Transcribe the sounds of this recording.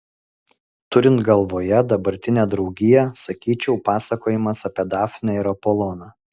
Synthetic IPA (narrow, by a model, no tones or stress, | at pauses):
t̪ʊɾʲɪnt̪ɡɐlˠʋoːjɛd̪ɐbɐɾʲt̪ʲɪnʲæːd̪ɾɒʊɡʲɪjɛsɐkʲiːt͡ʃʲɛʊpɑːsɐkoːjɪmɐsɐpʲiɛd̪ɑːfʲnʲɛɪɾɐpolˠoːnɑː